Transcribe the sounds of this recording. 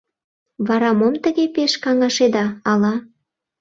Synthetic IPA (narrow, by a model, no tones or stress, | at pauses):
βɑɾɑmomt̪ə̆ɣepeʃkɑŋɑʃed̪ɑːlɑ